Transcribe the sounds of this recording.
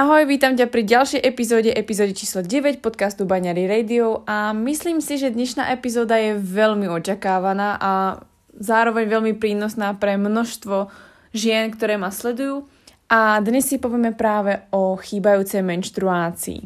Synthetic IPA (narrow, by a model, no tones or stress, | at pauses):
ʔaɦɔjʋiːt̪amcapɾiɟalʃjɛjʔɛpizɔːɟɛʔɛpizɔːd̪it͡ʃiːslɔɟɛʋɛcpɔt̪̚kast̪ubaɲaɾiɾɛjd̪iɔʊamisliːmsiʒɛd̪ɲɛʃna̰ːʔɛpizɔːd̪ajɛʋɛʎmiɔt͡ʃakaːʋanaːʔa | zaːɾɔʋɛɲʋɛlmipɾiːnɔsnaːpɾɛmnɔʃt̪ʋɔ | ʒɪɛnkt̪ɔɾɛːmaslɛd̪ujuː | ʔad̪ɲɛsːipɔʋɪjɛmɛpɾaːʋɛɔxiːbajuːt͡sɛjmɛnʃt̪ɾuaːt͡sḭː